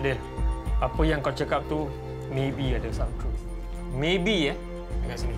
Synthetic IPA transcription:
dəl | apəjaŋkawt͡ʃakap̚t̪u | mebiadəlsamt̪ɾu | mebiə | dəŋansini

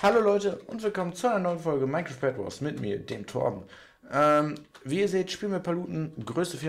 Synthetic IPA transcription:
haloːlɔʏtəʔʊntv̥ɪlkʰɔmənt͡suʔaɪnɐnɔʏənfɔlɡəmaɪkʁ̥opʰɛtvɔ̰smɪtmḭːɐdeːmtʰɔ̰ɐdn̩ | ʔɛm | viːiːɐzeːtʃpiːlmɪpʰaluːtn̩ɡʁøːstəfɪɐ

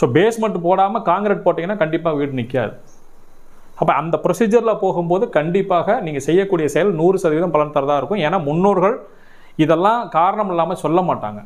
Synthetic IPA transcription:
soːbeːsmɐʈːɯpoːɽaːmɐkaːŋɡɾeːʈ̚poːʈːiːŋɡɐnːaːkɐɳɖɪp̬ːaːɣɐʋiːʈnɪkːɪja̰ːðɯ | ɐpːɐːɐnd̪ɐpɪɾɔsiːd͡ʒɐɾɪlɐpoːɣɯmpoːðɯkɐɳɖɪpːaːɣɐniːŋɡɐsɛjːɐkːuːɽɪjɐsɛjɐlnuːɾɯsɐðɪʋɪðɐmpɐlɐnt̪ɐɾɐðaːɪɾɯkːʊ̃eːnaːmʊnːoːɾɣɐɭ | ɪðɛlːãːkaːɾɐɳɐmɪlːaːmɐsɔlːɐmaːʈːa̰ːŋɡɐ

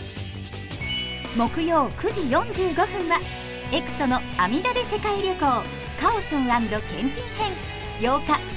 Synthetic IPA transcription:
mo̞kɯ̟jo̞ːkɯ̟ʑijõ̞ɲ̟d͡ʑɨːɡo̞ɸɯ̟̃ɰ̃βa | e̞kɯ̟̥so̞no̞amʲid̪ad̪e̞se̞kaiɾʲoko̞ː | kaoɕɯ̃ñɾãnd̪o̞kẽ̞̰nt̪ʲihẽ̞ŋ | jo̞ːka

